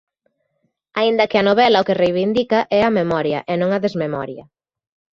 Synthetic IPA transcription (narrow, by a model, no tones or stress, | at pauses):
aind̪ɐkɪɐnoβɛlɐʊkɪrejβind̪ikɐʔɛɐmemɔɾjɐ̰ʔɛnõŋɐðezmemɔ̰ɾjɐ̰